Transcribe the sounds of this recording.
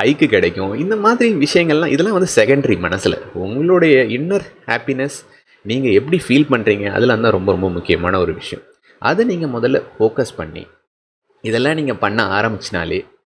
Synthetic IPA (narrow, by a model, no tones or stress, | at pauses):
ɐɪkːɯkɪɽɛkʲːʊ̃ɪnd̪ɐmaːðɪɾiʋɪʂɐjɐŋɡɐɭlãːʔɪðɛlːãːʋɐnd̪ɯsɛkɐɳɖɾimɐnɐsɪlɐ̰ʊŋɡɐɭoːɽɐjɐɪnːɐɾhaːpinɛs | niːŋɡɐɛpːɐɽifiːlpɐɳːɾiːŋɡɐɐ̰ðɪlɐʋɐnd̪ãːɾɔmbɐɾɔmbɐmʊkːɪjɐmaːnɐɔɾɯʋɪʂɐjɐ̰̃ | ʔɐ̰ðɯniːŋɡɐmʊðɐlːɐ̰foːkɐspɐɳːḭ | ɪðɛlːãːniːŋɡɐpɐɳːɐaːɾɐmbɪt͡ʃːɪna̰ːlḛː